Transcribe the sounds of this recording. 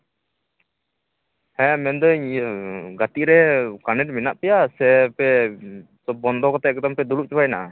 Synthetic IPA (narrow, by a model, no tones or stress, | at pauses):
hɛ̃mɛnd̪əɲ | ɡat̪iʔɾɛkanɛʈ̚minaʔpɛjasɛpɛ | sɔb̚bɔnd̪ɔkɔt̪ɛɡɛt̪ampɛd̪uɽuʔ̚t͡ʃɔbajnaʔa̰